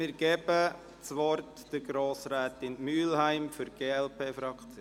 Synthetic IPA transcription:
mɪːɾɡ̥ɛb̥ə | t͡sʋɔrt | d̥əɡɾoːsɾæːt̪ɪnmyːlhæɪmfʏɾɡ̥eːɛlpeːfɾɑkt͡sjo

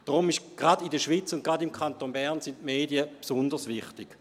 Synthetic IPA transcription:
d̥ʁomiʃɡ̥ʁadidəʃʋiːt͡sʊntɡ̥ʁadimkʰχantoːnbɛʁnsɪntmeːdiəpsʊndəsʋɪχtɪɡ̥

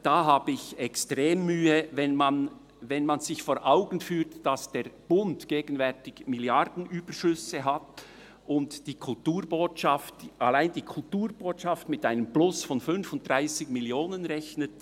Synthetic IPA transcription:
d̥aːɦaːbəɪçɛkstʁeːmːyːəvɛnman | vɛnmanzɪçfoːɾʔaʊɡn̩fyːtd̥ɑsd̥eːɐb̥ʊntɡ̥eːɡən̩vɛʁtɪçmɪljɑɾdn̩ʔyːb̥əʃʏsəɦat | ʊntd̥iːkʰʊltuːɾboːtʃɑftʔalaɪndiːkʰʊltuːɾboːtʃɑftmɪtaɪnəmblʊsfɔnfʏnfʊnt̚d̥ʁaɪsɪɡmɪljoːnənʁɛçnət

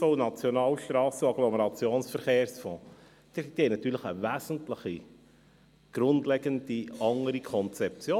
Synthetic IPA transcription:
oʊnɑt͡sjɔnɑːlʃt̪ɾɑːsəɑɡlɔməɾɑt͡sjoːnsfəɾχeːɾsfɔ̃ː | d̥̪d̥̪ihɛnɑt̪ːyːɾləχəvæzn̩tləχi | ɡ̥ɾʊndlɛɡəndiɑŋəɾikʰɔnt͡sɛp̚t͡sjoː

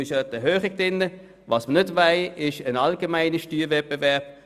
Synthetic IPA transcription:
ɪʃətɛhøːχɪɡ̚d̥ɪnːə | ʋɑːsmənʏdʋaɪɪʃənɑlɡemaɪnəʃtyːvɛb̥evɛɐb̥̚

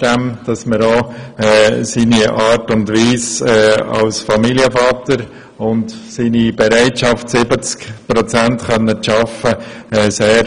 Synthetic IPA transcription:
d̥ɛmd̥ɑsməɾoɛsiːniɑːɾtʊndʋiːsɛːɑ̰lsfɑmiliəfɑːt̪əɾ | ʊndsiːnibɛɾæɪtʃɑftsɪbət͡skpɾɔt͡sæntχœnːəʃɑfəɛːseːɾ

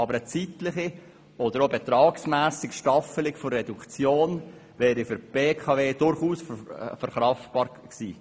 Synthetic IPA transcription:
ɑbəɾət͡sitlɪχi | ɔd̥̪əɾobɛt̪ɾɑːksmæːsɪkʃtɑfəlɪkfɔrːɛdukt͡sjoːn | vɛːɾifʏɾb̥eːkʰɑveːd̥ʊɾχuːsffɛɾχɾɑftb̥ɑːɾ | ksiː

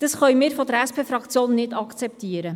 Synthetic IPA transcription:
d̥ɑsχœɥmɪːɾfodəɾɛspʰeːfɾɑkt͡sjoːnːɪdɑkt͡sɛp̚t̪iəɾə

